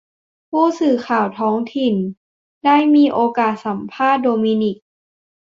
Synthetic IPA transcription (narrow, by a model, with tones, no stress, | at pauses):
pʰuː˥˩sɯː˨˩kʰaː˨˩wt̪ʰɔː˦˥ŋt̪ʰi˨˩n | daː˥˩jmiː˧ʔoː˧kaː˨˩t̪̚sa˩˦mpʰaː˥˩t̪̚doː˧miː˧ni˨˩k̚